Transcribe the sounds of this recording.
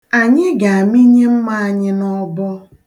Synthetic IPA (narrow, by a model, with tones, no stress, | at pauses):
a˨ɲɪ˦ɡa˨a˨mi˦ɲe˦m̩˦ma˦a˨ɲɪ˦nɔ˦bɔ˦